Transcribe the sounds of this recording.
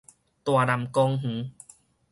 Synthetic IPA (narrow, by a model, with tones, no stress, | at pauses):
t̪waː˨˩na˨˩mkɔ˧ŋɦ̩˨˦